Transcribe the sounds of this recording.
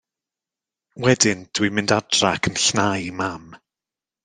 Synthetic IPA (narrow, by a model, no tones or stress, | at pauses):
wɛdɪnd̥wimɪndad̥rakʰənɬnajmam